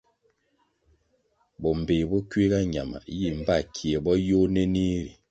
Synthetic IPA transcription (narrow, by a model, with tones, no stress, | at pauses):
bɔ˨m̩˨be˨bɔ˦kɥe˦ɡa˦ɲa˨ma̰˨ji˦˨m̩˨ba˦˨kʰi˨e˨bɔ˦jo˦nɛ˦ni˦ɾi˨